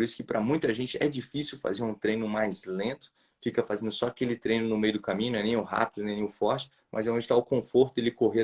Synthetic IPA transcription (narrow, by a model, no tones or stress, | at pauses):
ɾisʊ̥kɪpɾʔɐmũj̃t̪ɐʒẽnt͡ʃɪʔɛd͡ʒifisiwfa̰zeɾũt̪ɾẽjnʊmajzlẽt̪ʊ̥ | fikɐfazẽnd̪ʊsɔakelɪt̪ɾẽj̃nʊnʊmejʊd̪ʊkamĩɲ̃ʊñɛnẽj̃ʊɦa̰pid̪ʊnẽnẽj̃ʊfɔɾt͡ʃɪ̥ | mʔɐ̰zɛõnd͡ʒɪt̪aʊkõfoɾt̪ʊd̪elɪkoɦe